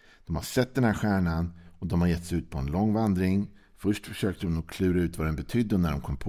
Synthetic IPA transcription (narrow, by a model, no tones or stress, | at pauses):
d̥̪ɔmhaʂɛt̪̚ːd̪ɛnhæːɾɧæːɳanɔd̪ɔmhaɾjɛt̪ːsɛʉ̟ːt̪̚pʰɔɛnlɔŋːvand̪ɾɪŋ | fœʂʈfœʂøːk̚t̪əɾɔmnɔkʰlʉ̟ːɾaʉ̟ːt̪vad̪ɛnbɛt̪ʰʏd̪ːənæɖɔmkʰɔmːpʰ